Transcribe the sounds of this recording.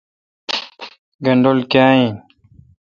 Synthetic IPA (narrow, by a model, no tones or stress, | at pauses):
ɡɐɳɖolkjaːĩ